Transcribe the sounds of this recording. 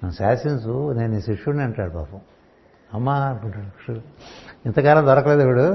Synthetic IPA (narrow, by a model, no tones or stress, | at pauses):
nenusaːsinsuneːnuiːsiʂːuneɐɳʈaːɽupa̰ːpu | ɐmːaːpuɳʈaːɽʂuuint̪ɐkaːlɐmd̪ɔɾɐkɐleːd̪iʋuɽu